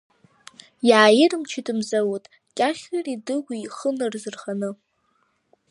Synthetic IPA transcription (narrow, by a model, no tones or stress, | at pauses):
jaːjɪrɨmt͡ʃʰidɨmzawutʼ | kʲʼaχʲaridɨɡʷiiχənɨrzɨrχanɨ